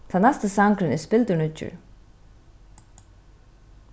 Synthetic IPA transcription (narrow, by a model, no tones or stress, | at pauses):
t̪ʰanɛst̪əsaŋkɾɪnɛspɪlt̪ʊnʏt͡ʃːʏ̰ɹ